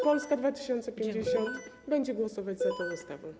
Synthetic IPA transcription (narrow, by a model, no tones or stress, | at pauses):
pɔlskad̪vat̪ɨ̥ɕɛnt̪sɛpʲjeɲd͡ʑɛɕɔnt̪ | bɛɲd͡ʑɛɡwɔsɔvad͡ʑʲzak̪ɔvust̪avɔw